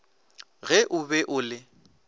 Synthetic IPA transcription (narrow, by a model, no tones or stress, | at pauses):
ɣɛʔʊbɛʔʊːlɪ